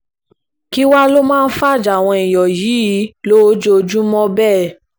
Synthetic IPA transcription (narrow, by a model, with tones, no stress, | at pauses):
ki˦wa˦lo˦mãː˦˧n̩˦fa˦˨d͡ʒa˨w̃ɔ̃˧i˨jɔ˨ji˨˦i˨˦lo˦d͡ʒo˦˧d͡ʒũ˦mɔ̃˦bɛː˦˨